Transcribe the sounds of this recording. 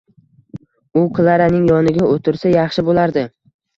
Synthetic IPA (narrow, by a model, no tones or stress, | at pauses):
ʊqʰɨlˠaɾanɪŋjɒnɪɡʲaot̪ʰɪɾsajɑχʃɪbolaɾd̪ɪ